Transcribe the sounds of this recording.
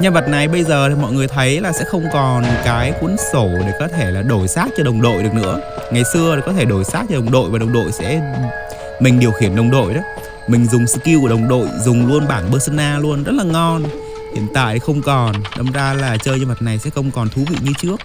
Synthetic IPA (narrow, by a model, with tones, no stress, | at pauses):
ɲa˧nvə˨˩t̚na˨˩jɓə˧jzəː˨˩i˨˩mɔ̰˧˨jŋɨ˨˩əjt̪ʰə˨˦jlaː˨˩sɛ̰˧˥xə˧wŋ͡mkɔ˨˩nkaː˨˦jku˨˥ənso˧˩ɗe˧˩kɔ˨˦t̪ʰe˧˩laː˨˩ɗo˧˩jsaː˦˥t̚t͡ɕɔ˧ɗə˨˩wŋ͡mɗo̰˧˨jɗɨ˨˩əknɨ̰˧˥əŋa˨˩jsɨ˧əe˨˩kɔ˨˦t̪ʰe˧˩ɗo˧˩jsaː˦˥k̚t͡ɕɔ˧ɗə˨˩wŋ͡mɗo̰˧˨jvaː˨˩ɗə˨˩wŋ͡mɗo̰˧˨jsɛ̰˧˥ | mi˨˩ŋ̟ɗi˨˩əwxi˧˩ənɗə˨˩wŋ͡mɗo̰˧˨jɗɔ˨˦ | mï˨˩ŋ̟zʊ˨˩ŋ͡msɨ̰˧˨ki˧wku˧˩əɗə˨˩wŋ͡mɗo̰˧˨jzʊ˨˩ŋ͡mlu˧ənɓaː˧˩nɓəː˧sə˧nʔaː˧lu˧ənzə˦˥t̚laː˨˩ŋɔ˧n | hḭ˧˨ənt̪a̰ː˧˨jxə˧wŋ͡mkɔ˨˩nɗə˨˧˩wŋ͡mzaː˧laː˨˩t͡ɕəː˧jɲaː˧nvə˨˩t̚na˨˩jsɛ̰˧˥xə˧wŋ͡mkɔ˨˩nt̪ʰu˨˦vḭ˧˨ɲɨ˧t͡ɕɨ˦˥ək̚